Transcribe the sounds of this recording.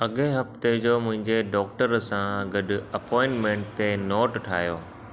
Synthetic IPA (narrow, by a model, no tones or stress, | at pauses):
ɐɠeɦɐft̪ed͡ʑoːmʊ̃ɦɪ̃ɲd͡ʑeɖɔːk̚ʈəɾsãɡɐɗɐpɔːɪ̃ɳʈmẽːɳʈt̪enɔːʈʈʰaːɦjoː